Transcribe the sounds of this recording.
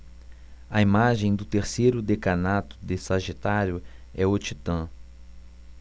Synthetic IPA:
ɐimaʒẽj̃d̪ʊt̪eɾsejɾʊd̪ekanat̪ʊ̥d̪esaʒit̪aɾjʊɛot͡ʃit̪ɐ̃

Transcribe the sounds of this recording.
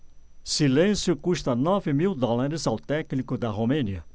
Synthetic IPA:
silẽsjʊkuʃt̪ɐnɔvɪmiwd̪ɔlaɾɪzawt̪ɛknikʊd̪ɐɦomẽniɐ

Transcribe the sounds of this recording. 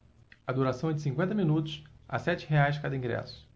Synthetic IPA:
ɐd̪uɾasɐ̃w̃ɛd͡ʒɪsĩŋkwẽnt̪ɐmĩnut̪ʊsa̰sɛt͡ʃɪɦeajʒd͡ʒkad̪ɐĩɡɾɛ̰sʊ̥

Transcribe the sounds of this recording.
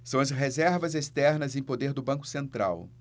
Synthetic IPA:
sɐ̃w̃ɐsɦezɛɾvɐzest̪ɛɾnɐzẽj̃pod̪eɾd̪ʊbɐ̃ŋkʊ̥sẽnt̪ɾa̰w

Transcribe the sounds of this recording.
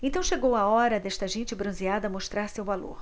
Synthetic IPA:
ẽnt̪ɐ̃w̃ʃeɡowaɔɾɐd̪ɛʃt̪ɐʒẽnt͡ʃɪbɾɐ̃ziad̪ɐmoʃt̪ɾaɾsewvalo̰ɾ

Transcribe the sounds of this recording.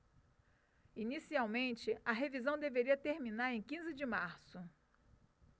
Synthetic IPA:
inisiawmẽnt͡ʃɪɐɦevizɐ̃w̃d̪eveɾiɐt̪eɾmĩnaɾẽj̃kĩzɪd͡ʒɪmaɾsʊ

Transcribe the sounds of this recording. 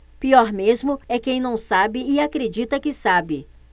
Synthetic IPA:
piɔɾmezmʊɛkẽj̃nɐ̃w̃sabɪːakɾed͡ʒit̪ɐkɪsabɪ

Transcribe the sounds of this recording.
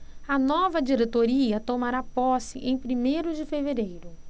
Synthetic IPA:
ɐnɔvɐd͡ʒiɾet̪oɾiɐt̪omaɾapɔsɪʔẽj̃pɾimejɾʊd͡ʒɪfeveɾejɾʊ

